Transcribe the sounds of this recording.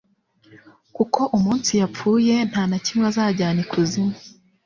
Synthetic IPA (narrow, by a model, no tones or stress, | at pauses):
kukʰo̞ʔumuːnsijap͡fuːje̞n̥haːnacimwazaːɟaːnikʰuzima